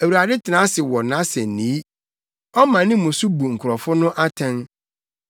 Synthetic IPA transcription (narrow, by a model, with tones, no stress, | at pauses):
æ˨wu˨ɾa˨dɪ˦tʰɪ˨nã˨˦sɪ˨wɔ˨nã˨˦sɛ˨n˨nĩ˨˦ | ɔ˦mã˨nɪ̃˦mʊ̃˨su˦bu˨ŋ̩˨kʰʊ˨ɾɔ˨fʊ˦nʊ̃˦ʔa˦tʰɛ̃˦n